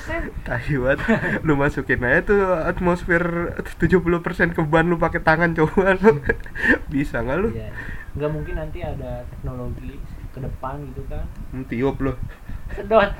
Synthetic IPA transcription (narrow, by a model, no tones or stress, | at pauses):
t̪aiwat̪lʊhmasukɪnajat̪uat̪mosfɛrt̪ud͡ʒuhpuluhpərsɛnkəbuanlʊpakɛt̪aŋant͡ʃobalʊ | bisaŋɡalʊjŋɡamuŋkɪnːant̪iadat̪ɛk̚noloɡikədəpanɡit̪ukant̪iʊp̚lʊh | sədot̪